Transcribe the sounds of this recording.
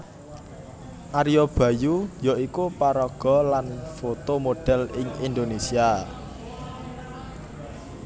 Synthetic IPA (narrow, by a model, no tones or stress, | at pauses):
ʔaɾijob̥ä̤jujɔikupaɾɔɡ̥ɔ̤lanfot̪omoɖ̥ɛ̤lɪŋind̪onesia